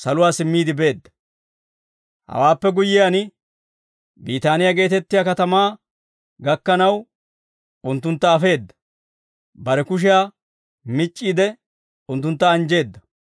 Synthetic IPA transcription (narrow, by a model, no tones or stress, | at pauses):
sɐlʊwaːsɪmːiːd̪ɪbe̞ːd̪ːɐ̥ | hɐ̰waːpːɛɡʊjːɪjaːn | biːt̪aːnɪjaɡe̞ːt̪ɛt̪ːɪjaːkɐt̪ɐmaː | ɡɐkːɐnɐw | ʊnt̪ːʊnt̪ːɐːfe̞ːd̪ːɐ̥ | bɐɾɛkʊʃ̬ɪjaː | mɪt͡ʃʼːiːd̪ɛ | ʊnt̪ːʊnt̪ːɐːnd͡ʒe̞ːd̪ːɐ